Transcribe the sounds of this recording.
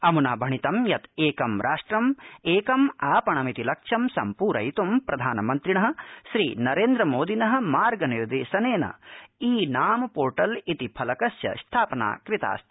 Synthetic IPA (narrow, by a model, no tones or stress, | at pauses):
ɐmunaːbʱɐɳit̪ɐmjɐt̪eːkɐmɾʔaːʂʈɾɐmeːkɐmaːpɐɳɐmit̪ilɐkʂɐmsɐ̰mpuːɾɐ̰jit̪umpɾɐd̪ʱaːnɐmɐnt̪ɾiɳɐɦɐ̆ʃɾḭːnɐɾeːnd̪ɾɐmoːd̪ʱinɐɦɐ̆maːɾɡɐniɾd̪eːsɐneːnɐ̰iːnaːmɐpoːɾʈɐlit̪ipʰɐlɐkɐsjɐ̰st̪ʰaːpɐna̰ːkɾit̪a̰ːst̪ʰi̥